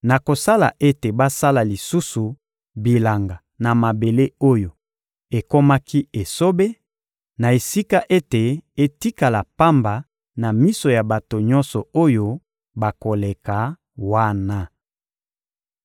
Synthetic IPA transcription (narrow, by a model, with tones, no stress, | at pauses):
na˨ko˨sa˦la̰˨ʔe˦te˨ba˦sa˦la˨li˨su˦su˨ | bi˨la˨ŋɡa˨ | na˨ma˨be˨le˦o˦jo˨ | e˨ko˦ma˦ki˦e˨so˦be˦ | na˨e˨si˦ka˦ʔe˦te˨e˦ti˦ka˨la˨pa˦mba˨ | na˨mi˦so˨ja˨ba˨to˨ɲɔ˦nsɔ˨o˦jo˦ | ba˨ko˨le˨ka˨ | wa˦na˨